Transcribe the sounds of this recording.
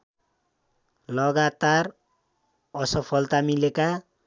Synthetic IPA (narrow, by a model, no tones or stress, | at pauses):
lʌɡat̪ar | ʌsʌpʰʌlt̪amileka